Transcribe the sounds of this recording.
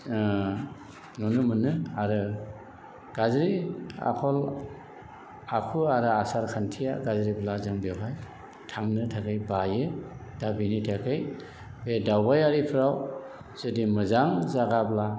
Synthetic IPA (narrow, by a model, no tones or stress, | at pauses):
nunɯmɯnɯaɾɯ | ɡ̥azɾia̰kʰɔl | akʰuaɾɯasaɾkʰantʰija̰ɡazɾiblazɯŋbewɦaj | tʰaŋnɯtʰakʰɯjbajɯdabinitʰakʰɯj | bedawbajaɾipʰɯɾaw | zɯdimɯzaŋzaɡabla